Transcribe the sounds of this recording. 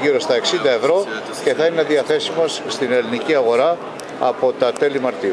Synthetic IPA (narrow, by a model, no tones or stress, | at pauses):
iɾo̞st̪ɐe̞ksind̪ɐe̞vɾo̞ | ce̞θɐine̞ðiɐθe̞simo̞sst̪ine̞liniciɐɣo̞ɾɐ | ɐpo̞t̪ɐt̪e̞limɐɾt̪i